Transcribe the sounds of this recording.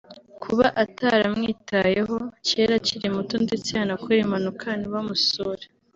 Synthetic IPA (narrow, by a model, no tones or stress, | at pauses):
kʰuβaʔataɾamŋiːtaje̞ɦo̞ceɾaciɾimutondet͡siaːnakueɾimanukʰaniβamusoɾe